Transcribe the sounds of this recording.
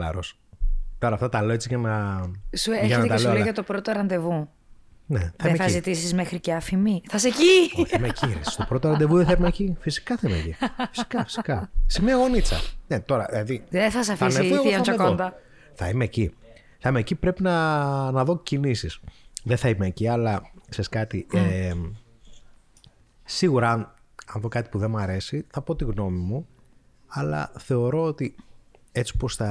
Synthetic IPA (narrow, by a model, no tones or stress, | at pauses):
lɐ̰ɾo̰s | t̪o̞ɾɐːft̪ɐt̪ɐleet͡siʝɐnɐsueeʝɐnnɐt̪ɐleoɐt̪o̞pɾot̪oɾɐnd̪e̞vu | neθðɐieeɐzit̪isizmexɾiceɐfimiθɐseciθimecisi̥st̪opɾot̪oɾɐnd̪e̞vuðeθɐimecifisi̥kɐθɐimḛcḭfi̥si̥kɐfi̥si̥kɐsemiɐɣo̞nit͡sɐ̰net̪o̞ɾɐðilɐðiðeθɐsɐfineɣoɐɐt͡ʃɐkoðod̪ɐ | θɐimeːci | θɐimeːcipɾe̞pinɐnɐðo̞cinisisðeθɐimeːciɐlɐkseskɐt̪iʔe | siɣuɾɐn | ɐnðo̞kɐt̪i̥puðemɐɾe̞siθɐpo̞t̪iɣno̞mimu | ɐlɐ̰θe̞o̞ɾo̞ot̪i | e̞t͡si̥po̞sθɐ